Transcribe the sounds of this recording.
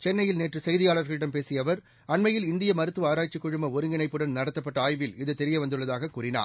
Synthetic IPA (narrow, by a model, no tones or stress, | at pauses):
t͡ʃɛnːɐjɪlneːʈrɯsɛjðɪjaːɭɐɾɣɐɭɪɽɐmpeːsɪjɐʋɐɾ | ɐnmɐjɪlɪnd̪ɪjɐmɐɾɯt̪ːʋɯaːɾaːt͡ʃːɪkːʊɻɯmɐɔɾɯŋɡɪnɐɪpːɯɽɐnnɐɽɐt̪ːɐpːɐʈːɐaːjʋɪlɪðɯt̪ɛɾɪjɐʋɐnd̪ɯɭːɐðaːɣɐkuːrɪna̰ː